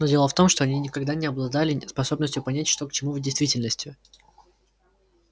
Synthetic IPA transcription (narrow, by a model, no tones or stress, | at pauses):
nodʲelˠəft̪o̞mʂt̪o̞ɐnʲinʲɪkɐɡd̪anʲɪɐblˠɐd̪alʲɪspɐso̞bnəsʲtʲjʊpɐnʲætʲʂt̪o̞kt͡ɕɪmuvdʲɪjst̪vʲitʲɪlʲnəsʲtʲjʊ